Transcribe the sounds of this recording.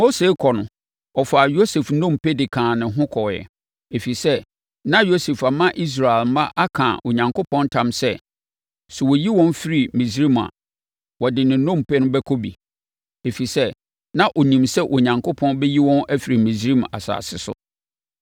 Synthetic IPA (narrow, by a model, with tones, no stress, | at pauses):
mo˦se˨˦kʰɔ˨nʊ̃˨ | ɔ˨fa˨jo˦se˨fnɔ̃˦˨mpɛ˦dɪ˨kʰãː˨nɪ̃˨ɦʊ̃˦kʰɔ˨jɛ̰˨ | e˨fi˨sɛ˦ | nã˦jo˦se˨fa˨mã˦ʔi˦s̬ɾa˨e˨lmã˦ʔa˦kʰã̰ː˨ʔo˨ɲã˨ŋko˦pʰɔ̃˦ntʰã˦msɛ˦˨ | sʊ˨wɔ˨ji˦wɔ̃˦n˦fi˦ɾi˨mĩ˨sɾi˦ma̰˨ | wɔ˨dɪ˨nɪ̃˨˦nõ˦˨mpʰɛ˦nʊ̃˦bɛ˦kʰɔ˦bḭ˨ | e˨fi˨sɛ˦ | nã˦ʔo˨nĩ˨msɛ˦ʔo˨ɲã˨ŋkʰʊ˦pʰɔ̃˦nbɛ˦ji˦wɔ̃˦næ˦fi˨ɾi˨mĩ˨sɾi˦m˨a̰˨sa̰ː˨sɪ̰˨sʊ̰˨